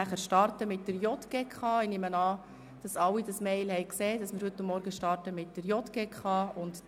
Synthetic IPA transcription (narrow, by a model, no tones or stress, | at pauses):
æχəɾʃtɑrtəmɪt̚d̥əɾjɔtɡ̥eːkʰχɑːinɪmənɑː | d̥ɑsɑwidɑsmɛɪlhɛɪkseːd̥ɑsmɪːɾhɵt̪ːʊmːɔɾɡəʃtɑrtəmɪt̚dəɾjɔtɡ̥eːkʰχɑːʊnd